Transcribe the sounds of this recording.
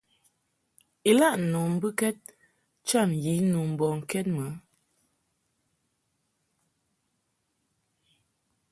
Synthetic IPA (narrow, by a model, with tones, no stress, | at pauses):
i˨la˦˨ʔnɔ˨m̩˦bɨ˦kɛ˦t̚ | t͡ʃa˦˨m˨ji˨˦nu˨m̩˨bɔ˨ŋ̩˨kɛ˦t̚mə˨˦